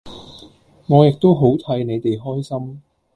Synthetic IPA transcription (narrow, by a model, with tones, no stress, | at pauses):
ŋɔː˨˧jɪ˨k̚t̪o˥wɦo˨˥wt̪ʰɐ˨˥jne˨˧jt̪e˨jɦɔː˥jsɐ˥m